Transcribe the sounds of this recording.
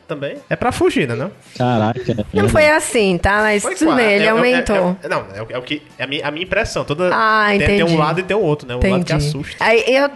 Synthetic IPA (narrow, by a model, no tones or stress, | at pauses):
t̪ɐ̃bẽj̃ɛpɾɐfuʒinɛnɛ̃ | kaɾakɐnɐ̃w̃fojasĩt̪amɐjsfoj̪ɐ̃bẽj̃elɪawmẽt̪onɐ̃w̃ɛʊɛʊkɪ | ɛɐmĩɲɐɐmĩɲĩpɾɛsɐ̃w̃t̪od̪ɐaẽt̪ẽẽd͡ʒũlad̪ʊɪt̪ẽʊowt̪ɾʊnɛult̪ẽad̃ʊd͡ʒkaisuʃt̪aiʔew